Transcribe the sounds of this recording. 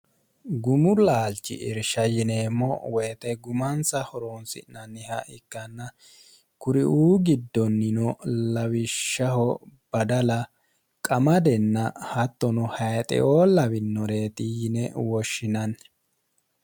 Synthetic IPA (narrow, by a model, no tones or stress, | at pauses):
ɡʊmʊlaːlt͡ʃːɪ̰ʔɪ̰ɾʃɐjɪnemːɔweːt̪ɛɡʊmɐnsɐhɔɾoːnsɪ̰nɐnːɪhɐʔɪkːɐnːɐ | kʊɾɪʔuːɡɪd̪ːɔnːɪnɔlɐwɪʃːɐhɔb̥ɐd̪ɐlɐ | kʼɐmɐd̪ɛnːɐhɐt̪ːɔnɔhɐjt̪ʼɛ̰ʔoːlɐwɪnːɔɾe̞ːt̪ʼijɪnɛwɔʃːɪnɐn